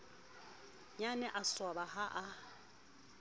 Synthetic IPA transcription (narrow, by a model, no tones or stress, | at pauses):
ɲanɛʔaswabaɦaʔa